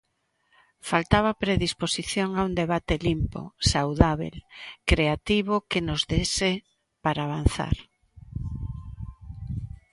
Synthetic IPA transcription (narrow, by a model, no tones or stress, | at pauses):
falt̪aβapɾeðisposiθjoŋaund̪eβat̪ɪlimpo̰sawðaβḛlkɾeat̪iβokenozðese | paɾaːβ̞an̟θa̰ɾ